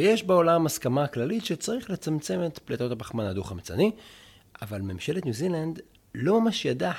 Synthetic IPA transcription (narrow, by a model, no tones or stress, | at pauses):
jeʃbeo̞lamaskamaklalitʃet͡saʁiχle̞t͡samt͡se̞me̞t̪plet̪o̞tabaχmanad̪uχamt͡sa̰ni | avalmemʃe̞letnjuziland̪ | lo̞mamaʃjada